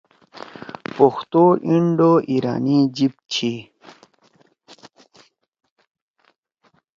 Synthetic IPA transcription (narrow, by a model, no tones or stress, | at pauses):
poxt̪oʔiɳɖoʔiɾa̰ːnid͡ʑip̚t͡ɕʰi